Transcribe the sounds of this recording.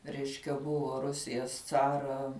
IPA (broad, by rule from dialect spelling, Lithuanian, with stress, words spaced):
ˈrʲɛɪʃʲkʲɛ ˈbʊʋoː ˈrʊsʲɪjɛs ˈt͡sɑːrɐ